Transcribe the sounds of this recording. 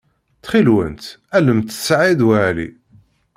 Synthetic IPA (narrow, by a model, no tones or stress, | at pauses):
θχilwə̰nt̪æləmt̪sʕid̪wælḭ